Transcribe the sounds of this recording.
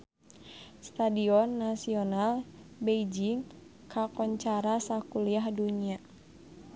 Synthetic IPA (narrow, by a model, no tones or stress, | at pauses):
st̪adiɔnːasiɔnalbejd͡ʒiŋ | kʰakɔɲt͡ʃaɾasakuliahduɲia